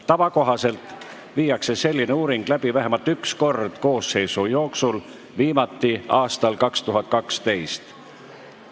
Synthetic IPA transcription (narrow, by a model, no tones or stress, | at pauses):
t̪ɑvɑko̞ɦɑse̞lt̪ | viːjɑkse̞se̞lʲːineuːɾiŋɡ̥læb̥ivæɦemɑlt̪yksko̞rd̪̥ko̞ːsːe̞jsujo̞ːksul | viːmɑt̪ːˑiɑːst̪ɑlkɑkst̪uɦɑt̪̚ˑkɑkst̪e̞jst̪